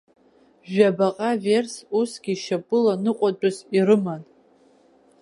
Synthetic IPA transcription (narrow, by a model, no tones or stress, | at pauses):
ʒᶣabaqʼave̞rsusɡʲiʃapʼɨlanɨqʷʼat͡ʃʷʼazirɨman